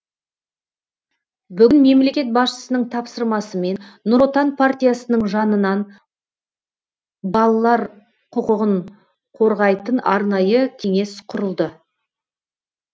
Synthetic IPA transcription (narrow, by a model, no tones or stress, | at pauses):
bʏɡʲɪnme̞mle̞kʲe̞t̪̚bɑsʃə̥sənəɴt̪ʰɑpsəɾmɑsəme̞nːʊɾot̪anpʰart̪ʲijasənəɴʒɑnənɑn | bɑlˠɑlˠɑɾ | qʰʊqəʁəɴ | qʰo̞ɾʁɑjt̪ənɑɾnɑjəkʲʰe̞ŋe̞sqʰʊɾəlˠd̪ə